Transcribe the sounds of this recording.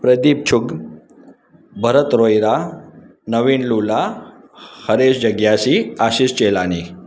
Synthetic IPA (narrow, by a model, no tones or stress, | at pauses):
pɾəd̪ip̚t͡ɕʰuɡ | bʱəɾət̪ɾojɾa | nəʋiːnlula | həɾeɕd͡ʑəɡjaɕiaɕiːst͡ɕelani